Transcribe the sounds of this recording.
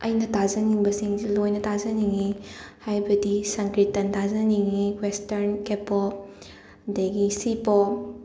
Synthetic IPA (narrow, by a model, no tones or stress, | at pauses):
ɐ̰jnɐtazɐniŋbɐsiŋzilojnɐtʰazɐniŋihajbɐdisɐŋkɾitːɐntazɐniŋiwestɐɾnkepo | deɡisipɔ